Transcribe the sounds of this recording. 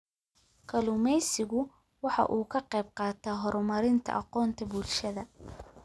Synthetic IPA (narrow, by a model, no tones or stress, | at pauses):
kʰɐlʊmɛjsɪɣʊ | wɑħɑ̰ʔuːkʰɐqɛjb̚qɑːt̪ʰaːɦɔɾmɐɾɪnt̪ʰɐ̰ʔɑqɔːnt̪ʰɐbuːlʃɐðɐ